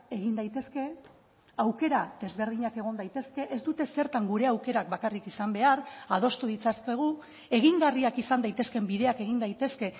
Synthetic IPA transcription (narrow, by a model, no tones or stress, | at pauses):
e̞ɣind̪ajt̪e̞ske̞ | awke̞ɾaðe̞zβe̞ɾð̞iɲake̞ɣ̞o̞nd̪ajt̪e̞ske̞ʔezd̪ut̪e̞se̞ɾt̪aŋɡuɾe̞awke̞ɾak̚bakarikisambe̞aɾað̞o̞st̪uð̞it͡saske̞ɣ̞u | e̞ɣiŋɡariakisand̪ajt̪e̞ske̞mbiðe̞ake̞ɣind̪ajt̪e̞ske̞